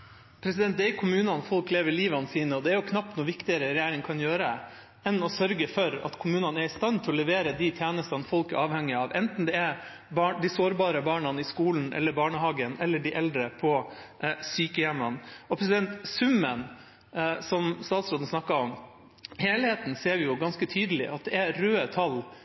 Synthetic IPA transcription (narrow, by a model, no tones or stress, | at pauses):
pʰɾɛs̬ɪd̪ɛnt̪d̪ɛɛɾkʰʊmʉːnɑnfɔlkleːʋəɭiːʋɑnəsiːnəɔd̪ɛæɾjʊkʰnɑpt̪nuːʋɪkt̪ɪəɾəɾɛjæːɾɪŋkʰɑnjøːɾə | ɛnɔsœɾɡəfɔɾɑ̰t̪kʰʊmʉːnɑnæɾɪst̪ɑnt̪ʰɛɔlɛʋeːɾəd̪it̪ʰjæːnəst̪ɑnfɔlkæ̰ɾʔɑːʋhɛŋːɪɑːʋɛnt̪n̩d̪ɛɛɾ | bɑːɳd̪ɪsoːɾbɑːɾəbɑːɳɑnɪskuːln̩ʔɛ̰lːəɾbɑːɳəɦɑːɡənɛlːəɖɪʔɛld̪ɾəpʰɔ | syːkəjɛmːɑnɔpʰɾɛsɪd̪ɛnt̪sʉmːən | sɔmst̪ɑːt̪sɾoːd̪n̩snɑkːɑɔm | heːlheːt̪nseːɾʋɪjʊɡɑnskət̪ʰyːd̪əlɪ̰ʔɑt̪̚d̪ɛæɾøːət̪ʰɑlː